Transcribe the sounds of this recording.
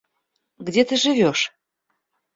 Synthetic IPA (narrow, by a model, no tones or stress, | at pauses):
ɡdʲet̪əʒɨvʲoʃ